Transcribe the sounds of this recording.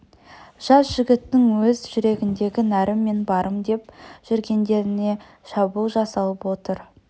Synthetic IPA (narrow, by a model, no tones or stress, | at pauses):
ʒ̥ɑsʒ̥ɪɡʲɪt̪ːɪŋwɵzʒʏɾe̞ɡʲɪnd̪e̞ɡʲɪnæɾɪmːe̞nbɑɾʔəmd̪e̞pʒ̥ʏɾɡʲe̞nd̪e̞ɾɪne̞ | ʃɑbulˠʒɑsɑlˠəpwo̞t̪əɾ